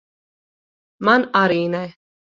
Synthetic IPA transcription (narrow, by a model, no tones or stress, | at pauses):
manaɾiːnɛ